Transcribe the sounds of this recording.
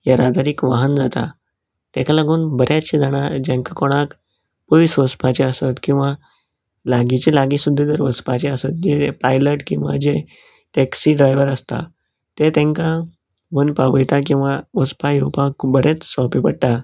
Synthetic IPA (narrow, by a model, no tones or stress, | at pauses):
jaɾad̪aɾikʋaɦənd͡zat̪a̰ | t̪ɛ̃kalaɡuːnbəɾʔjaɕid͡zaɽ̃ad͡ʑẽŋkakɔɽ̃ak | pəʋisʋəspat͡ɕeəsət̪kĩw̃ʋa | laɡit͡ɕelaɡisud̪ʱːed͡z̪əɾʋəspat͡ɕeəsət̪̚d͡ʑepajləʈkĩw̃ʋa̰d͡ʑe | ʈeksiɖɾajʋəɾəst̪a̰ | t̪et̪ẽŋka | ʋənpaʋəjt̪akĩw̃ʋaʋəspajowpakbəɾʔet͡ssɔpipəɽt̪a